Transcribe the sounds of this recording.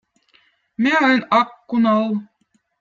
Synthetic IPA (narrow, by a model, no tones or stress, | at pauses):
meɤjnɑkːunɑlˠ